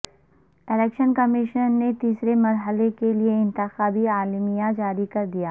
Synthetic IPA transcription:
ɪlɛːkʃənkɐmɪʃənːet̪iːsɾemɐɾɦəlekelieɪ̃nt̪ɪxaːbiaːlmijãd͡ʒaːɾikɐɾd̪ijaː

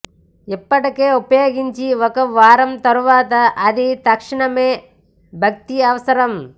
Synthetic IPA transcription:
ipːɐʈɐkeːupɐjoːɡiɲt͡ʃiʋɔkɐʋaːɾɐmt̪ɐɾuʋaːt̪ɐʔɐd̪it̪ɐkʂiɳɐmeː | bʱɐk̚t̪iɐʋɐsɐɾɐm

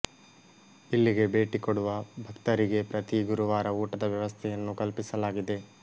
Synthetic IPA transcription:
ilːiɡe̞be̞ːʈikoɽuʋɐbʱɐkt̪ɐɾiɡe̞pɾɐt̪iɡuɾuʋaːɾɐuːʈɐd̪ɐʋjɐʋɐst̪ʰɛjɐnːukɐlpisɐlaːɡid̪e̞

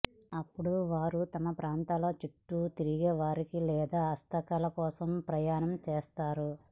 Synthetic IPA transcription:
ɐpːuɽuʋaːɾut̪ɐmɐpɾaːnt̪aːlo̞ːt͡ʃiʈːut̪iɾiɡɛːʋaːɾikilɛːd̪aːɐst̪ʰɐkɐːlɐkɔːsɐmpɾɐjaːɳɐmt͡ʃeːst̪aːɾu

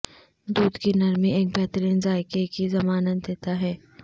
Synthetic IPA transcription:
d̪uːd̪kinɐɾmieːk̚bɛɦt̪əɾiːnzaːɪkekizɐmaːnət̪̚d̪eːt̪aɦɛː

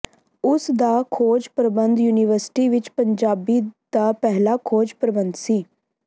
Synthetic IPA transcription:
ʊsd̪aːkʰoːd͡ʒpɾəbənd̪juːnɪʋəɾsʈiːʋɪt͡ʃpəɲd͡ʒaːbiːd̪̥aːpɛɦlaːkʰoːd͡ʒpɾəbənd̪siː

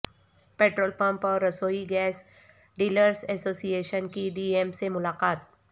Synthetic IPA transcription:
peːʈɾoːlpɐ̃mpɔːɾɐsoːiɡɛːs | ɖiːləɾsɛːsoːsieːʃənkiɖiːemsemʊlaːqaːt̪̚

